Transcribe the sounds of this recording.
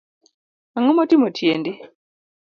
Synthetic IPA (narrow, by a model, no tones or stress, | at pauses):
aŋomotimotʰjendi